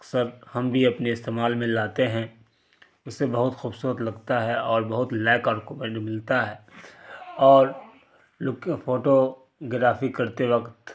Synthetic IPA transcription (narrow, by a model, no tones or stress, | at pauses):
ɐksəɾhɐmbʱiɐpneɪst̪eːmaːlmẽlaːt̪eɦɛ̃ | ʊsːebɐɦʊt̪xʊbsuːɾət̪lɐɡt̪aɦɛɔːɾbɐɦʊt̪lɛːkaːɾkomẽːɳʈmɪlt̪aɦɛː | ɔːɾ | lʊkfoːʈo | ɡɾaːfikɐɾt̪eʋɐkt̪